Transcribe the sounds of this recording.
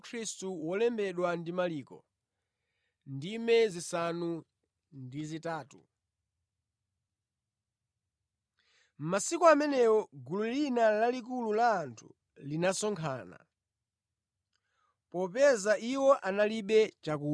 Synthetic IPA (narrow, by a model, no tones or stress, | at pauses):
kʰɾistuwɔlɛmbɛɗwandimaliːkɔ̰ | ndimɛzisanu | ndizitaːtṵ | m̩masikɔamɛnɛwɔɡululinalalik̬ululaːntʰu̥̰ | linasɔŋkʰa̰ːna̰ | pɔpɛzaʔiwɔʔanaliɓɛt͡ʃak̬u